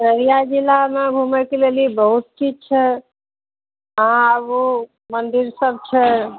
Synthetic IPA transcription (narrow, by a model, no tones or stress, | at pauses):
ɾəɾijad͡ʒilamebʱumɛkelelibəɦut̪̚t͡ʃid͡ʒt͡ʃʰɛ | əɦãəbu | mənd̪iɾsəb̚t͡ʃʰɛ